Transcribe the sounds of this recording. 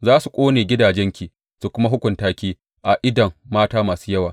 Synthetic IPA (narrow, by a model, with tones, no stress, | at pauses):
zaː˦su˨kʷʼoː˦neː˨ɡʲɪ˦daː˨d͡ʒɛ˦ŋkʲiː˨ | su˨kʷʊ˦ma˦ɦʊ˦kʷʊ˨ntaː˦kʲiː˦ | ʔa˨ʔɪ˦dɐ˨ŋːaː˦taː˦maː˨suː˦jɐ˦waː˨